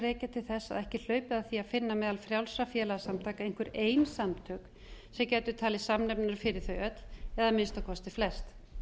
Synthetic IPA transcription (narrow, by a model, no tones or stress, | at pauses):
rɛːcat̪ʰɪlθɛsːa̰ðɛhcɪl̥œːɥpɪðaθiaðfɪnːamɛːðalfɾjawlsɾafjɛːlaasamt̪ʰaːkaejŋ̥kvʏɾeːjnsamt̪ʰœːk | sɛmcɛːt̪ʏt̪ʰaːlɪsamnɛp̚naɾ̥fɪɾɪɾ̥θœɥœt̪lɛðamɪnst̪awkʰɔst̪ɪflɛst̪